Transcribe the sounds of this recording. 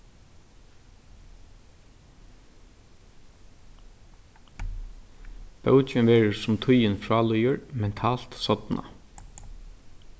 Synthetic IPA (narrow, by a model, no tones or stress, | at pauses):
pœwt͡ʃɪnʋeːɾəsʊmt̪ʰʊjɪnfɹaːlʊjəɹmɛnt̪ʰaːl̥t̪sɔt̪nʔa̰